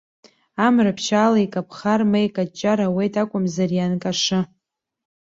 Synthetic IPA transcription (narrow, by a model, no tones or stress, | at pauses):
amrapʰʃaːlaikʼapʰχarmejkʼat͡ʃʼːaɾawejtʰʼakʷʼʊmzarjankʼaʂɨ